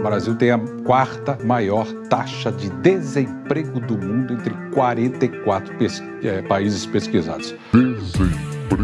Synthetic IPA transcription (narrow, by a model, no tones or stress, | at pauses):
bɾaziwt̪ẽj̃ɐkwaɾt̪ɐmajɔɾt̪aʃɐd͡ʒɪd̪ezẽpɾeɡʊd̪ʊmũnd̪ʊẽnt̪ɾɪkwaɾẽnt̪ɐɪkwat̪ɾʊpes | ɛpaizɪspeskiza̰d̪ʊs | ezẽpɾ